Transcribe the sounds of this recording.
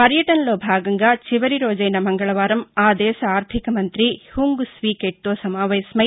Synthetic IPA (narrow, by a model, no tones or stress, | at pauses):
pɐɾjɐʈɐnɐloːbʱaːɡɐŋɡɐt͡ʃiʋɐɾiɾoːd͡ʒɐjnɐmɐŋɡɐɭɐʋaːɾɐmaːd̪ɛːsɐaːɾt̪ʰikɐmɐnt̪ɾihuŋɡusʋiːkeːʈt̪oːsɐmaːʋeːsmɐj